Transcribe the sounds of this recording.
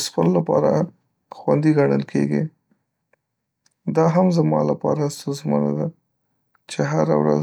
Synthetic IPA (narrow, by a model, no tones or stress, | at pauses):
spəlolapɑɾa | xwand̪iɡaɳəlkʰḛɡi | d̪ɑɦamzamɑlapɑɾast̪əzməna̰d̪a | t͡ʃeɦaɾa̰wɾa̰z